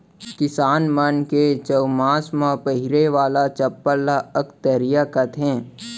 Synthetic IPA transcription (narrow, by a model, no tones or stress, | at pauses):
kɪsaːnmənket͡ʃəwmãːsmãpəɦɪɾeʋaːlat͡ʃɐpːəɾlaəkt̪əɾijakət̪ʰɦẽː